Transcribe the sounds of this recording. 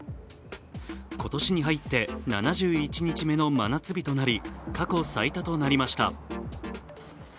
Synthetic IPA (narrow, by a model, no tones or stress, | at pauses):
ko̞t̪o̞ɕiɲ̟iɦait̪ːe̞na̰naʑɨːit͡ɕiɲ̟it͡ɕime̞no̞ma̰nat͡sɨbʲit̪o̞naɾʲikako̞sait̪at̪o̞naɾʲimaɕi̥t̪a̰